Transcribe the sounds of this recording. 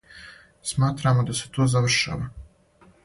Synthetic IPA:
smaːt̪ɾaːmod̪ase̞̥t̪oːzaʋr̩ʃa̰ːʋa

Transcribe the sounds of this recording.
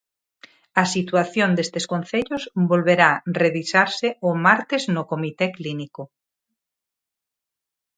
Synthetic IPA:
ɐsit̪waθjond̪est̪eskon̟θeʎozbolβeɾareβisaɾseomaɾt̪eznokomit̪ekliniko

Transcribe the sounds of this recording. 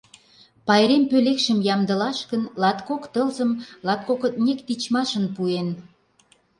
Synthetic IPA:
pɑjɾempølekʃə̆mjɑmd̪ə̆lɑʃkənlɑt̪kokt̪əlzəmlɑt̪̚kokət̪nʲekt̪it͡ɕmɑʃə̆npuen

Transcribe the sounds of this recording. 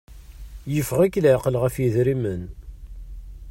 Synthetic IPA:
jəfʁækːlʕqəlʁəfjiðɾimən

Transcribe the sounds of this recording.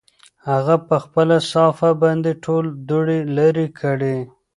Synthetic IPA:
haɣapəxpəlasɑfabɑnd̪eʈʰold̪uɽelaɾikʰəɽe

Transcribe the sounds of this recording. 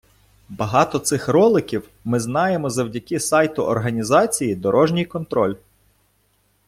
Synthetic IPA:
bɐɦɑt̪ɔt̪sɪxɾɔlˠɪkʲiw | mɪznɑjemɔzɐwdʲɐkɪsɑjt̪ʊʔɔrɦɐnʲizɑt͡sʲijid̪ɔɾɔʒnʲijkɔnt̪ɾɔlʲ

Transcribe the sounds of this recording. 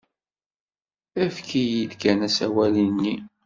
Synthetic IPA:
æfkijid̪ɡænæsæ̰wælinːi

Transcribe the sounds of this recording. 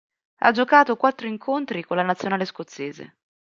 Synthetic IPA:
a̰d͡ʒokaːt̪okwat̪ːɾoiŋkʰont̪ɾikolːanat̪sjonaːleskot̪sːeːzḛ

